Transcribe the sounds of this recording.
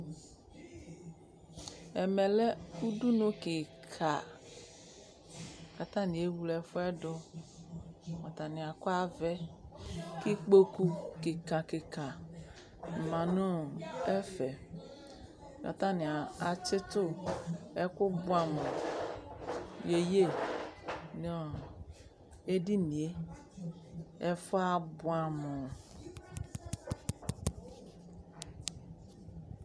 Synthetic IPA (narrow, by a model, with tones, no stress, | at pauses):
ɛ˨mɛ˨lɛ˦u˦du˦nõ˦kɪ˨kʰa˨ | ka˨t̪ã˦nĩ˨e˦wu˦lɛ˨fo˦ɛ˦ɖɔ˦ | mɔ˨t̪a˨nɪ̃˨a˨kɔ˦a˦vɛ˦ | ki˦k͡po˦ku˦ke˨kã˨ke˨kã˨ | mã˨nɔ̃˦ɛ˦fɛ˨ | jɔ̰˨ta˦nɪ˨a˨a˨t͡ʃɪ˦tʊ˦ɛ˦kʊ˦bʊ˦a˨mʊ˨ | je˨je˦˨ | n˨ɔ˨ | e˦di˦ni˨e˦ | ɛ˦fʊ˦a˦bʊ˦a˨mʊ˨